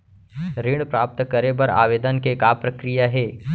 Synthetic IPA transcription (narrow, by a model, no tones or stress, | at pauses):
ɾɪɽ̃pɾaːp̚t̪kɐɾebɐɾa̰ːʋeːd̪ənkekaːpɾɐkɾijaɦɛː